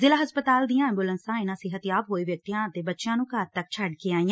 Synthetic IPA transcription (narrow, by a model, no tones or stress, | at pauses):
zɪlaːɦəspət̪aːld̪ijãːɛ̃ːmbʊlənsãːɪnãːsɪɦət̪jaːbɦoːiːʋjək̚t̪ijãːət̪eːbətːʃjãːnũːkəɾt̪ək̚t͡ʃʰəɖkeaːĩːã